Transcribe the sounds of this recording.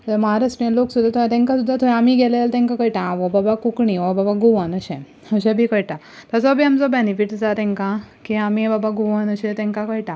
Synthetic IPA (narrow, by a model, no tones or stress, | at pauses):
t̪əmaɾəsmiãloksud̪ʱat̪ʰõt̪ɛ̃ŋkasud̪ʱːat̪ʰɔamiɡɛlelt̪ɛ̃ŋkãkəjʈãʋɔbabakukɳiʋɔbabaɡoʋanəɕɛ̃ | əɕɛ̃bʱikəjʈa | t̪əsɔbʱiːamt͡sɔbenifiʈd͡zat̪ɛ̃ŋkãkiamibabaɡoʋanəɕɛ̃t̪ɛ̃ŋkãkəjʈã